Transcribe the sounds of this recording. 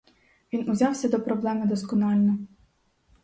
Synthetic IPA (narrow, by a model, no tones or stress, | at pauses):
ʋʲinʊzʲɑwsʲɐd̪ɔpɾɔblˠɛmɪd̪ɔskɔnɑlʲnɔ